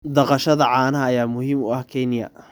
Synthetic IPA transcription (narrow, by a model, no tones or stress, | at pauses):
d̪ɐqɑʃɐðɐʕɑːnɐɦɐːjaːmʊhiːmʊ̰ɐhkʰɛnɪjɐ̰